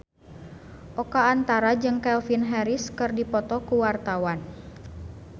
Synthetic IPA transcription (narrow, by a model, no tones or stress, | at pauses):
ʔɔkaːnt̪aɾad͡ʒɨŋkɛlfinɦɛɾiskɨrdipɔt̪ɔkuwart̪awan